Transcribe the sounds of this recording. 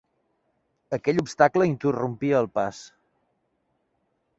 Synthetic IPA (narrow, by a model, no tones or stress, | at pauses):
əkɛʎupst̪akləint̪ərumpiəːlˠpas